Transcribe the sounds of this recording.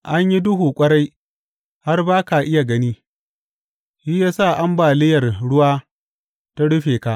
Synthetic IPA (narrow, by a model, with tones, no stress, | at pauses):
ʔa˦ɲji˦dʊ˦ɦuː˨kʷʼɐ˦ɾa˦j | ha˦rbaː˦ka˨ʔɪ˦ja˨ɡɐ˦niː˦ | ʃi˦jaː˦sa˦˨ʔa˦mbaː˨lɪ˦jɐ˨rɽʊ˦waː˦ | ta˦ɽʊ˦ɸeː˨ka˦ʔ